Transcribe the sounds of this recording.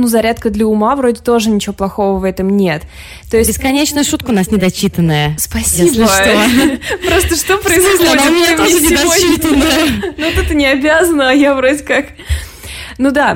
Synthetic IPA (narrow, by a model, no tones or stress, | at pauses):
nuzɐɾʲat̪kəd̪lʲəʊmavɾo̞dʲɪt̪o̞ʐɨnʲɪt͡ɕɪvo̞plˠɐxo̞vəvɛt̪əmnʲe̞t̪ː | o̞jɪsʲbʲɪskɐnʲet͡ɕnʊjʊʂut̪kəʊnasnʲɪd̪ɐt͡ɕːit̪ənːəjəspɐsʲibət̪opɾost̪əʂt̪opɾəɪzosʲt̪ʲeveɪɪd̪ɐit̪ənnut̪ɛt̪ənʲɪɐbʲazənəɐjavɾo̞dʲɪkak | nud̪a